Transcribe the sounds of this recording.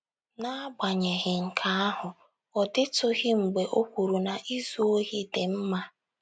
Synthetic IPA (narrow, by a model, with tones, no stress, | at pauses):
na˦a˦ɡ͡ba˨ɲe˨ɣɪ˨ŋ̩˨kʰa˨a˦ɦʊ˨ | ɔ˨dɪ˦tʊ˦ɣɪ˦ŋ͡m̩˨ɡ͡be˨ʔo˦kʷu˨ɾu˨na˨ʔi˦zu˦o˦ɦi˦dɪ˨m̩˦ma˦